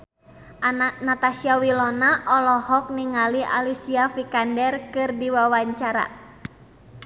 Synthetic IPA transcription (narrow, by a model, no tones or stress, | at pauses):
ʔananat̪asiawilɔnaʔɔlɔhɔk̚niŋalia̰lisiafikandɛrkɨrdiwawaɲt͡ʃaɾa̰